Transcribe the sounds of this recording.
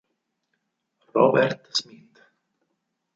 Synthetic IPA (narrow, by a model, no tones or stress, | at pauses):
rɔbɛr̥t̪smit̪